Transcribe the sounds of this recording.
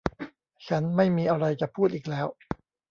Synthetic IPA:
t͡ɕʰa˦˥nma˥˩jmiː˧ʔa˧ɾa˧jt͡ɕa˨˩pʰuː˥˩t̪̚ʔiː˨˩k̚lɛː˦˥w

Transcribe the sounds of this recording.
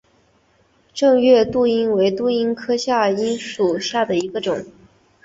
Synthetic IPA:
ʈ͡ʂɤ˥˧ŋɥɛ˥˧t̪u˥˩i˥nwe˧˥ɪt̪u˥˩i˥nkʰɤ˥ɕja˥˩i˥nʂu˨˩ɕja˥˩d̪ə˩i˧˥ɡə˧ʈ͡ʂʊ˨˩˦ŋ

